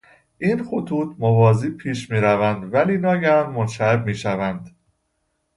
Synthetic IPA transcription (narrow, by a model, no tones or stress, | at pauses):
ʔiːnxot̪ʰuːt̪ʰmovɒːziːpʰiːʃmiːɾævænd̪væliːnɒːɟænːonʃæebmiːʃævænd̪̥